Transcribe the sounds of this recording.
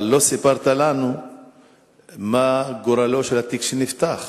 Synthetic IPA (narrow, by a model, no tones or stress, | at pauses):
lo̞sipaʁt̪alanu | maɡoɾaloʃelat̪ikʃinift̪aχ